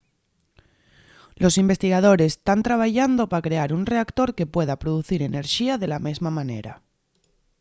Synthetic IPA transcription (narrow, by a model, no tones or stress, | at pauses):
lo̞simbe̞st̪iɣað̞o̞ɾe̞st̪ant̪ɾaβ̞aʝand̪o̞pakɾe̞aɾunre̞akt̪o̞ɾke̞pwe̞ðapɾoðuθiɾe̞neɾʃiaðe̞lame̞zmamãne̞̰ɾa̰